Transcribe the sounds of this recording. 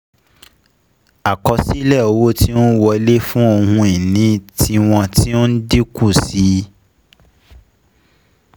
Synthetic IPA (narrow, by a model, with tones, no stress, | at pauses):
a˨kɔ˧si˦lɛ˦˨o˧wo˦ti˦o˦wɔ˧i˧le˦fũ˦o˧hũ˧i˨nĩ˨˦ti˧w̃ɔ̃˧ti˦o˦n̩˦di˦ku˦˨si˨˦